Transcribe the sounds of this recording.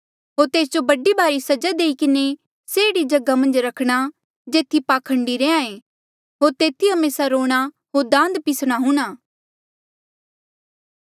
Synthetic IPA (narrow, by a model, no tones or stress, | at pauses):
ɦoːɾt̪eːsd͡ʒobɐɖibaːɾisɐd͡ʒad̪eːikɪne | seɪɽid͡ʒɐɡamɐ̃nd͡ʒɾɐkʰɽ̃a | d͡ʒeːt̪ʰːipaːkʰə̃ɳɖiɾẽːãːẽː | ɦoːɾt̪eːt̪ʰiɦɐmeːsaɾoːɽ̃a | ɦoːɾd̪ãːnd̪pɪsɽ̃aɦũːɽ̃aː